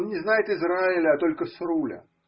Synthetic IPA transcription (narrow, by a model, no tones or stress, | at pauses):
nnʲɪznajɪt̪ɨzɾaɪlʲəɐt̪o̞lʲkəsrulʲə̰